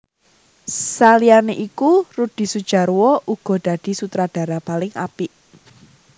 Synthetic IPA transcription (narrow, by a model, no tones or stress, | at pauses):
salianeʔikurud̪̥i̤sud̥ʒ̥a̤ɾwɔʔuɡ̥ɔ̤d̥a̤d̥i̤sut̪ɾad̥a̤ɾapalɪŋa̰pɪʔ